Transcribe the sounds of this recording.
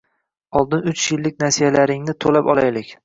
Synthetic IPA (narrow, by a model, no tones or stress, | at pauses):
ɒlˠd̪ɪnʊt͡ʃjɪlːɪk̚ʲnasijalaɾɪŋnɪt̪ʰolapɒ̰lˠajlɪkʲ